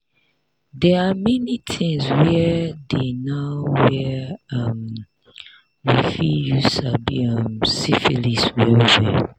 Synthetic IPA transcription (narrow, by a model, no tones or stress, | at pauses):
dɛamɛnitʰĩŋswɛdenaʊwɛʌm | ɹifijusabiʌmsifiliswɛlzɛ̰